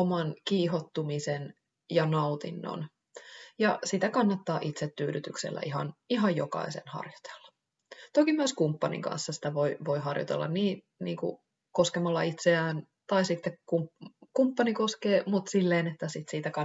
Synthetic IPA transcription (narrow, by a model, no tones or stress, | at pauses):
omɑnkiːɦot̪ːumisen | jɑnɑut̪ḭnːo̰n | jɑsit̪ækɑnːɑt̪ːɑːʔit̪set̪t̪ːyːɾyt̪yksḛlːæ̰ʔiɦɑ̰niɦɑjjokɑ̰isḛnhɑ̰rjo̥t̪e̥lːɑ̥ | t̪okimyøskumpːɑnḭŋkɑ̰nsːɑsi̥t̪æʋoiʋo̞iɦɑrjo̰t̪elːɑ̰nniː | nḭːŋkṵ | koskemɑlːɑit̪seæːn | t̪ɑisit̪ːekkumkumpːɑnikoskeːmut̪silːeːnet̪ːæsit̪siːt̪ækɑ